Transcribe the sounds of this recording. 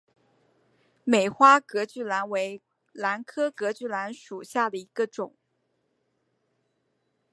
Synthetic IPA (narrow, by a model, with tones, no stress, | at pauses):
me˨˩ɪxwa˥kɤ˧˥t͡ɕy˥˩la˧˥nwe˧˥ɪ | la˧˥nkʰɤ˥kɤ˧˥t͡ɕy˥˩la˧˥nʂu˨˩ɕja˥˩d̪ə˩i˧˥ɡ̥ə˧ʈ͡ʂʊ˨˩˦ŋ